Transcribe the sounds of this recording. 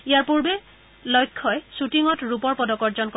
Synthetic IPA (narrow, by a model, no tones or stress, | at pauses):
ijaɹpuɹbe | lɔjkʰːɔjsutiŋɔtɹupɔɹpɔdɔkɔɹzɔnkɔ